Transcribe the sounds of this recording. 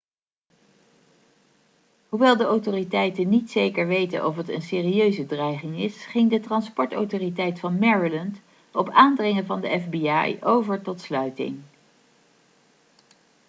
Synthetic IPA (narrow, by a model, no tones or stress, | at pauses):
ɦuʋɛlˠdəowtoritɛjtənitsejkəɹʋejtə̰nʔɔfətə̰nseːriøɥzədrɛjχɪŋɪsχɪŋdətrɑnspɔɹto̰wtoːritɛjtfɑnmɛɹilənt | ɔpaːndrɪŋəvɑndəɛfbiɑ̰jowvəɹtɔtslœɥtɪ̰ŋ